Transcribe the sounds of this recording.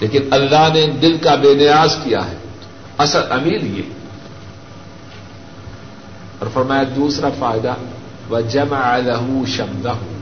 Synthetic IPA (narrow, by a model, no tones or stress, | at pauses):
leːkɪnɐlːaɦned̪ɪlkabeːnɪjaːzkija̰ɦɛː | ɐsəd̪ɐmiːljḛ | ɔ̰ːɾfɐɾmaːjad̪uːsɾafaːɪd̪a | ʋɐd͡ʒɐmaʕalɐɦʊʃɐmd̪ɐɦʊ